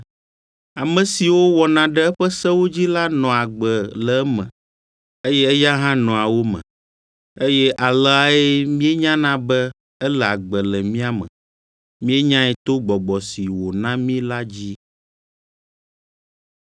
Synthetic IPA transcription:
a˨mɛ̃˨si˨wo˦wɔ˨nã˨ɖɛ˦ɛ˦ɸɛ˦sɛ˦wo˦d͡ʑi˦la˦nɔ̃˨a˨ɡ͡bə˨lɛ˨˦mɛ̰̃˨ | e˦jɛ˦ɛ˦ja˦ɦã˦nɔ̃˨a˨wo˦mə̰̃˨ | e˦jɛ˦ʔa˨lɛ˦a˨ɛ˦mĩ˦ɛ˦ɲã˦nã˦bɛ˦ | ɛ˦lɛ˨a˨ɡ͡bə˨lɛ˨mĩ˦a˦mɛ̰̃˨ | mĩ˦e˦ɲã˦ɛ˨t̪o˦ɡ͡bɔ˨ɡ͡bɔ˨si˨wo˨nã˦mĩ˦la˦d͡ʑi˦

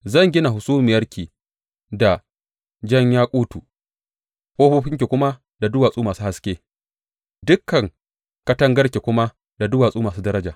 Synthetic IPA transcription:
zɐ˦˨ŋɡʲɪ˦na˨hʊ˨suː˦mɪ˨jɐ˦rkʲiː˨ | da˨ | d͡ʒɐ˦ɲjaː˦kʷʼuː˦tuː˨ | kʷʼoː˦ɸʊ˦ɸɪ˦ŋk̬ʲi˨kʷʊ˦ma˦ | da˨dʊ˦waː˨sʼuː˦maː˨suː˦ha˨skʲeː˦ | dʊ˦kːɐ˨ŋ | kɐ˦tɐ˦ŋɡɐ˦rkʲe˨kʷʊ˦ma˦ | da˨dʊ˦waː˨sʼuː˦maː˨s̬uː˦dɐ˦ɾɐ˦d͡ʒaː˨

